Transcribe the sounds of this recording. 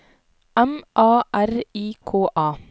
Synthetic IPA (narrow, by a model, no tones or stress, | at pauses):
ɛmʔɑːʔæɾiːkʰoːʔɑː